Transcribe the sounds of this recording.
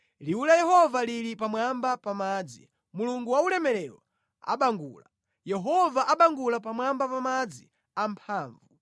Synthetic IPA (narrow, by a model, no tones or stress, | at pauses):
liulajɛhɔvaliɾipamwambapamaːd͡zḭ | muluŋɡuwaulɛmɛlɛlɔ̰ | a̰ɓaŋɡṵːla | jɛɦɔvaʔaɓaŋɡulapamwambapamad͡zi | ampʰaːɱvu